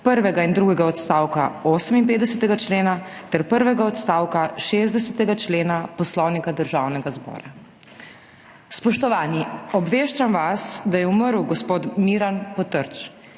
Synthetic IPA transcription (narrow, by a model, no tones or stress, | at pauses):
pəɾʋɛɡaind̪ɾuːɡɛɡaɔt̪st̪aːwkaoːsəminpeːd̪d̪ɛsɛt̪ɛɡat͡ʃleːnat̪ɛɾpəɾʋɛɡaɔt̪st̪aːwkaʃezd̪ɛsɛt̪ɛɡat͡ʃleːnapɔslɔwnikad̪əɾʒaːwnɛɡazbɔ̰ːɾa | spɔʃt̪ɔʋaːniɔbʋeːʃt͡ʃamʋasd̪ajɛuməɾwɡɔspoːt̪miːɾanpɔt̪əɾt͡ʃ